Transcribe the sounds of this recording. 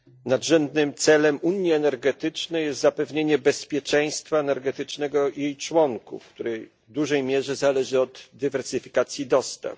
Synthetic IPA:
nad̪ʐɛnd̪nɘmt̪sɛlɛmuɲiɛnɛɾɡɛt̪ɘt͡ʂnɛjɛst̪zapɛvɲeɲɛbɛspʲjɛt͡ʂɛj̃st̪faɛnɛɾɡɛt̪ɘt͡ʂnɛɡɔjejt͡ʂwɔŋkṵfkt̪uɾɛj | vd̪uʐɛjmʲjɛʐɛzalɛʐɘɔd̪ːɘvɛɾsɘfʲi̥kat̪sʲjid̪ɔst̪ɛ̰

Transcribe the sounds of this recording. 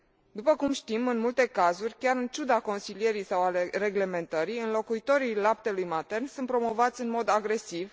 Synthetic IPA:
d̪upəkumʃt̪imɨnmult̪e̞kazurʲkʲaɾɨnt͡ʃud̪ako̞nsilije̞ɾijsawalere̞ɡle̞me̞nt̪əɾiɨnlo̞kuit̪o̞ɾilap̚t̪e̞lujmat̪e̞rnsunt̪pɾo̞mo̞vat̪sʲɨnmo̞d̪aɡɾe̞siv

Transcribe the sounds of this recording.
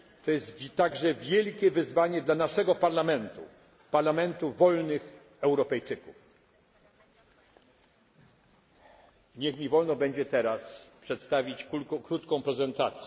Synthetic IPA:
t̪ɔjɛst̪vʲt̪ːaɡʐɛvʲjɛlkʲɛvɘzvaɲɛd̪lanaʂɛɡɔpaɾlamɛnt̪ṵ | paɾlamɛnt̪uvɔlnɘx | ɛwɾɔpɛjt͡ʂɘkuf | ɲɛxmʲivɔlnɔbɛɲd͡ʑɛt̪ɛɾaspʂɛt̪st̪avʲit͡ɕkɾut̪kɔ̃w̃pɾɛzɛnt̪at̪sʲɛ

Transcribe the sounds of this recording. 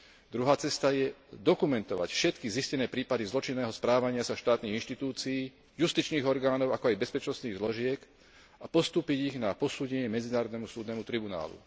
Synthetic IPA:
d̪ɾuɦaːt͡sɛst̪ajɛd̪ɔkumɛnt̪ɔʋa̰cfʃɛt̪kiziscɛnɛːpɾiːpad̪izlɔt͡ʃinːɛːɦɔspɾaːʋaɲɪasaʃt̪aːt̪niːɣinʃt̪it̪uːt͡siiː | just̪it͡ʃniːɣɔɾɡaːnɔʊakɔajbɛspɛt͡ʃnɔst̪niːɣzlɔʒɪɛk | apɔst̪uːpiɟiɣnapɔsuːɟɛɲɪɛmɛd͡zinaːɾɔd̪nɛmusuːd̪nɛːmut̪ɾibuna̰ːlṵ

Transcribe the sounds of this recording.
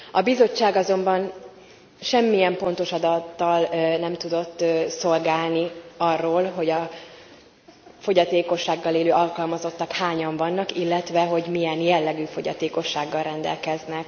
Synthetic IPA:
ɒbizo̞t͡ʃːaːɡɒzo̞mbɒn | ʃɛmːijɛmpo̞n̪t̪o̞ʃɒd̪ɒt̪ːɒlnɛmt̪ud̪o̞t̪ːso̞lɡaːlniɒrːoːlɦo̞ɟɒ | fo̞ɟɒt̪eːko̞ʃːaːɡːɒleːløːʔɒlkɒlmɒzo̞t̪ːɒkhaːɲɒɱvɒnːɒkilːɛt̪ʋɛɦo̞ɟmijɛnjɛlːɛɡyːfo̞ɟɒ̰t̪eːko̞ʃːaːɡːɒlrɛnd̪ɛ̰lkɛznɛk

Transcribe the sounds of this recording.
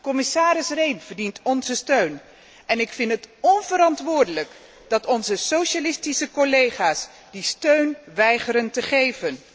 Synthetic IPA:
kɔmɪsaːɾɪsrejnvəɹdintɔnzəstøɥn | ɛnɪkfɪntɦətɔnvəɾɑntʋʊːɹdələk | d̥ɑtɔnzəsowʃalɪstisəkolejχaːs | distøɥnʋɛjχəɾəntəχejvən

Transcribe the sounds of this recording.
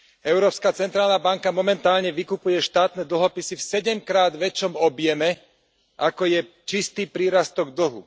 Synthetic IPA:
ɛʊɾɔːpskat͡sɛnt̪ɾaːlnabaŋkamɔmɛnt̪aːlɲɛʋikupujɛʃt̪aːt̪nɛd̪l̩ɦɔpisifsɛɟɛmkɾaːd̪ʋɛt͡ʃɔmɔbjɛmɛ | ʔakɔjɛ | t͡ʃist̪iːpɾiːɾast̪ɔɡ̚d̪l̩ɦṵ

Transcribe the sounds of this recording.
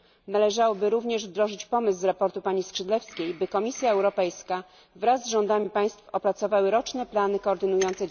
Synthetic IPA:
nalɛʐawɔbɘɾuvɲɛʐvd̪ɾɔʐɘt͡ɕpɔmɘszɾapɔɾt̪upaɲiskʂɘd̪lɛfskʲejbɘkɔmʲisʲjaɛwɾɔpɛjska | vɾazːʐɔnd̪amʲipaj̃st̪fɔpɾat̪sɔvawɘɾɔt͡ʂnɛplanɘkɔːɾd̪ɘnujɔnt̪sɛ

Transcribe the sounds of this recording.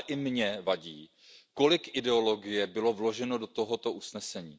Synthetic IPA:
ʔɪmɲɛvaɟiː | ko̞lɪkʔɪdɛo̞lo̞ɡɪjɛbɪlo̞vlo̞ʒɛno̞do̞t̪o̞ɦo̞t̪o̞ʔusnɛsɛɲiː

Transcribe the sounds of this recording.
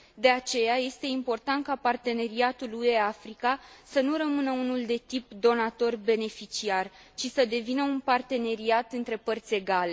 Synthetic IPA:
d̪e̞at͡ʃe̞jaje̞st̪e̞impo̞rt̪ant̪̚kapart̪e̞ne̞ɾiat̪ulue̞afɾikasənuɾəmɨnəunuld̪e̞t̪ip̚d̪o̞nat̪o̞rbe̞ne̞fit͡ʃiar | t͡ʃisəd̪e̞vinəunpart̪e̞ne̞ɾiat̪ɨnt̪ɾe̞pərt̪sʲe̞ɡale

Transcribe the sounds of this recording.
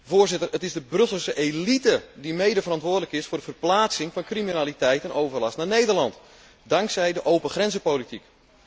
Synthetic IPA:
voːrzɪtərətɪzdəbrɵsəsəʔelitədimejdəvərɑntʋʊːdələkɪsfʊːrdəvərplaːt͡sɪŋfɑnkriminaːlitɛjtɛnowvərlɑstnanejdərlɑnt | dɑŋksɛjdəʔowpəxrɛnzəpowlitik

